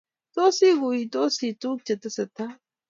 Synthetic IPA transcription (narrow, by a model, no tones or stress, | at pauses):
t̪oːsiɡuit̪oːsiːt̪uːk̚t͡ʃɐt̪ɐsɐt̪ʰa